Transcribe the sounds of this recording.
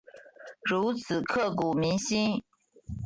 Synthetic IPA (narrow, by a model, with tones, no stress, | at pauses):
ɻu˧˥t͡sʰɹ̩˨˩kʰɤ˥˩ku˨˩mi˧˥ŋɕi˥n